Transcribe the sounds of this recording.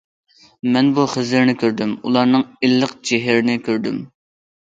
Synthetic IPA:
mɛnbuχəzɪɾnɪkʲʰøɾd̪ymṵlˠɑɾnɨŋilːəqt͡ʃeɦɪɾɪnɪkʲʰøɾd̪ym

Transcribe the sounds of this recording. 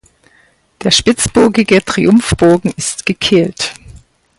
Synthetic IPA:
d̥eːɐʃpɪt͡sb̥ʊɐɡɪɡətʁ̥ḭʔʊmfb̥oːɡŋ̩ɪstɡ̥əkʰeːlt

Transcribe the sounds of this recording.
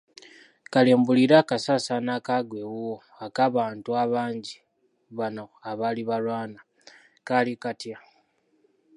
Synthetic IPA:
kaleːmbuliɾaːkasasanakaɡwe̞wo | akaβaːntuaβaːɲɟi | βanoaβaliβalwaːna | kalikatja

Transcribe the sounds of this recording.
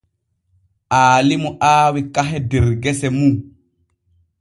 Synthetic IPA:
ʔaːlimuʔaːwikaɦɛdɛɾɡɛsɛmu

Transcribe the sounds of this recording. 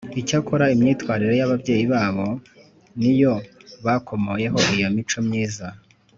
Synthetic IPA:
icakoɾaimɲiːtkwaːɾiɾo̞jaβabɟe̞ːjiβaːβo̞ | nijo̞βakʰo̞mo̞je̞ɦo̞ijo̞mit͡ʃo̞mɲiːza

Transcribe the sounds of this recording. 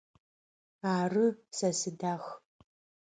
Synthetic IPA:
aːrɨsɐsɨdaːx

